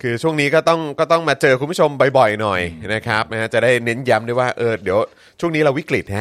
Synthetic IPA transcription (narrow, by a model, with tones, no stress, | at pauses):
kʰɯː˧t͡ɕʰu˥˩əŋniː˦˥kɔː˥˩t̪ɔ˥˩ŋkɔː˥˩t̪ɔ˥˩ŋmaː˧t͡ɕɤː˧kʰu˧mpʰu˥˩t͡ɕʰo˧mba˧jbɔ˨˩jnɔ˨˩jna˦˥kʰɾa˦˥p̚na˧˥ha˦˥˩t͡ɕa˨˩daː˥˩jne˦˥nja˦˥mdu˥˩əjwaː˥˩ʔɤː˧˩di˨˦əw | t͡ɕʰu˥˩əŋniː˦˥ɾa˧wi˦˥kli˨˩t̪̚ha˦˥